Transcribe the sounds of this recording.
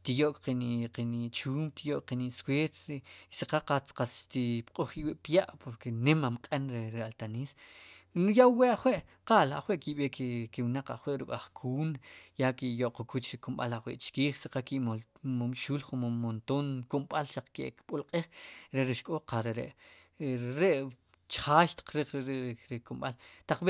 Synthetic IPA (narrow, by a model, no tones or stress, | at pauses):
t̪ijoʔkqiniʔqinit͡ʃuːmt̪ijoʔk̚qiniʔsweːt͡sesiqaqat͡sqast̪ipqʼuχkiwiʔpjaʔpoɾkenemamqʼenɾeɾealt̪anisnjawweʔaχweʔqaːla̰χweʔkiɓekkewnaq͡χa̰χweʔɾukʼaχkʰuːnjakijoʔqukʰut͡ʃɾikumɓa̰laχwḛʔt͡ʃkiːχsiqakiʔmomʃuːlχunmont̪onkumɓalʃaq͡χkeʔkɓulqʼiːχɾeɾiʃkʼoqaɾeɾḛʔ | ɾeʔt͡ʃχaːʃt̪i̥q͡χɾiχɾeɾeʔɾikumɓalt̪aq͡χɓe